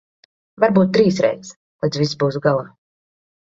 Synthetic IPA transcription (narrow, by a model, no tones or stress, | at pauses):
vaɾbuːt̪̚t̪ːɾiːsɾɛ̰jt̪s | lɛj̪zvisbuːsuɡalˠaː